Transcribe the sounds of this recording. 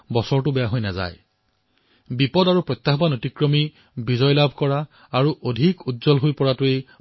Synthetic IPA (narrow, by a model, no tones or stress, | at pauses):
bɔsɔɹtʊbɛjaɦojnaza̰j | bipɔdaɹupɹɔt̪ːaɦɔbanotikɹomi | bizɔjlabʱkɔɹaː | ɹuʔodʱikutzɔlɦojpɔɹatue